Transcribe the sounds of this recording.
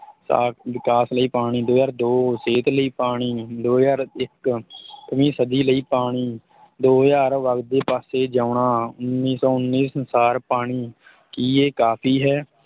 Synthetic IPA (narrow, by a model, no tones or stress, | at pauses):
sa̰ːʋɪkaːsləiːpaːɽ̃iːd̪oːjaːɾd̪oːseːt̪ləiːpaːɽ̃iːd̪oːjaːɾɪkk̪əmĩːsəd̪iːləiːpaːɽ̃iː | d̪oːjaːɾʋək̚d̪eːpaːseːd͡ʒaːʊɳaːʊnːiːsɔːʊnːiːsənsaːɾpaːɽ̃iː | kiːeːkaːpʰiːɦɛː